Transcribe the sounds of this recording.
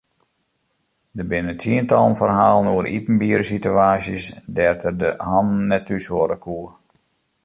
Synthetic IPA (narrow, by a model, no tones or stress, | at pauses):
dəbɪnəntʰiəntɑlˠənfərɦaːlˠənuəɾʔḭpn̩biːəɾəsityaːsjəsdɛrtərdəhɑnn̩nːɛtysoɾəkuər